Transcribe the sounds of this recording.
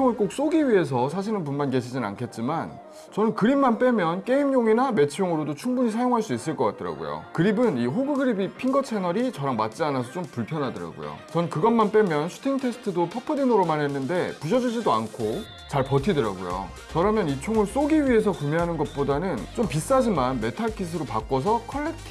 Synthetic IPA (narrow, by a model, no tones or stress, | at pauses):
t͡ɕʰoŋɯɭk͈ok̚s͈oɡiɥie̞s̬ʰʌs̬ʰaɕ̬ʰinɯnpunmanke̞ɕ̬ʰid͡ʑina̰nkʰe̞t̚t͡ɕ͈iman | t͡ɕʌnɯnkɯɾimːanp͈e̞mjʌnk͈e̞imɲoŋiname̞t͡ɕʰijoŋɯɾodot͡ɕʰuŋbuɲisʰajoŋɦaɭs͈uis͈ɯɭk͈ʌk͈at͈ɯɾa̰ɡo̰jo̰kɯɾibɯniɦoɡɯɡɯɾibipʰiŋɡʌt͡ɕʰe̞nʌɾit͡ɕʌɾaŋmat̚t͡ɕ͈ianas̬ʰʌt͡ɕ͈ompuɭpʰjʌnɦadʌɾa̰ɡo̰jo̰t͡ɕʌnɯnkɯɡʌnmanp͈emjʌnsʰu̥tʰiŋtʰe̞sʰɯ̥tʰɯdopʰʌpʰɯdinoɾomanɦe̞nːɯnde̞puɕ̬ʰʌd͡ʑud͡ʑidoankʰo | t͡ɕaɭpʌtʰidɯɾa̰ɡo̰jo̰ | t͡ɕʌɾamjʌnit͡ɕʰoŋɯɭs͈oɡiɥie̞s̬ʰʌkumeɦanɯnɡʌt̚p͈odanɯnt͡ɕ͈ompis͈ad͡ʑimanme̞tʰaɭkʰis̬ʰɯɾopak͈wʌs̬ʰʌkʰʌɭːek̚tʰ